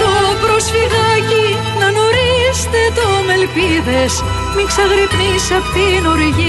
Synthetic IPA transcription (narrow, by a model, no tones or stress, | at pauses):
t̪opɾo̞sfiɣɐci | nɐno̞ɾist̪e̞t̪o̞me̞lpiðe̞s | miksɐɣɾipnisɐpt̪inoɾiʝi